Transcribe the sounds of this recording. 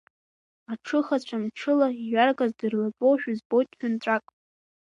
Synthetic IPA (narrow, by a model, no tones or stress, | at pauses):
aʈ͡ʂʰɨχat͡ɕʷʰamʈ͡ʂʰɨlaiɥarɡʼazdɨrlat͡sʼowʃᶣzbotʼħᶣant͡ɕʷʼakʼ